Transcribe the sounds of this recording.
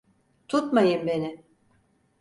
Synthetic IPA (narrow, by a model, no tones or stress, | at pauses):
t̪ʰut̪majɯmbe̞nɪ